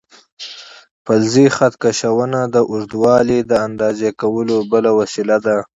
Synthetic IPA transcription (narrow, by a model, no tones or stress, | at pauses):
palzixat̪kaʃawənad̪əʔʊɾd̪wɑlid̪əand̪ɑzekawəlobəlawasilad̪a